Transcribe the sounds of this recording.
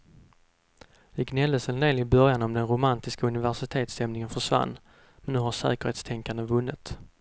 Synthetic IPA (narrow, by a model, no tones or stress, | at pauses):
d̪ɛɡnɛld̪əsənd̪eːlɪbœɾjanɔmd̪ɛnɾʊmant̪ɪskaɵnɪvæʂɪt̪ʰeːt̪sɛmnɪŋənfœʂva̰nː | mɛnːʉ̟ːɦaɾʂɛ̰ːkəɾheːt̪st̪ʰɛŋkand̪əvɵnːɪ̰t̪